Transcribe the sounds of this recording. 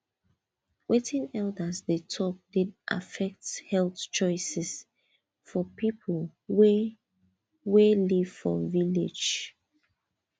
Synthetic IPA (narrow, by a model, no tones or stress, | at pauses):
wʔetʰĩnɛldəsðətʰɔp̚d̥idʔa̰fɛk̚thɛlˠθt͡ʃɔɪsɛs | fɔpʰipʰəlwe | weliv̥fɔ̰vilḛ̥d͡ʒ